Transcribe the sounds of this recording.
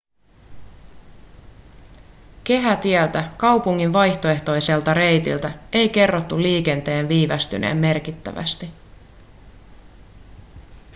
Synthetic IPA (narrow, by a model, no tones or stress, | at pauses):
ke̞ɦæt̪iɛlt̪ækɑwpuŋːinʋɑjçt̪o̞e̞ht̪o̞jse̞lt̪ɑɾe̞jt̪ḭlt̪æe̞jke̞rːo̞t̪ːuliːk̟ent̪e̞ːnʋiːʋæst̪y̰nʔe̞̰ːmːe̞rk̟it̪ːæ̰ʋæ̰st̪i